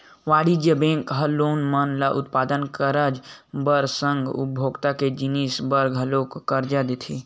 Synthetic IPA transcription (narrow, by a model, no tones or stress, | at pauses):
ʋaːɽid͡ʒjəbẽkɦəloːnmənlaʔʊt̪paːd̪ənkəɾəd͡ʒbəɾsə̃ŋɡʊ̰bʱoːɡt̪aked͡ʒinisbəɾɡʱəloːkkəɾd͡ʒad̪et̪ʰi